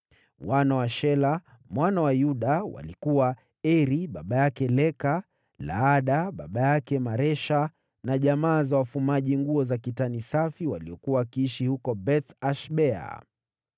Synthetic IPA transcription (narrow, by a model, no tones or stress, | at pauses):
wanawaʃɛla | mwanawajuɗawa̰likuwa | ɛɾiɓaɓajakɛlɛka | la̰aɗaɓaɓajakɛmaɾɛʃa | naʄamaːzawafumaʄiŋɡuɔzakitanisafiwaliɔkuwawakiiʃihukɔbɛθaʃɓɛa̰